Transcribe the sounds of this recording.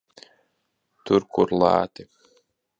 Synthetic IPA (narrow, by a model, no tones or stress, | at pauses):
t̪uɾkuɾlˠɑ̰ːt̪ɨ